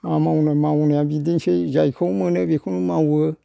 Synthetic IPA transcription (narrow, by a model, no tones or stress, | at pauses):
ãmãũnəmãwũnããbid̪int͡ʃed͡ʒaikʰoũmə̃nəbekʰunũmãwə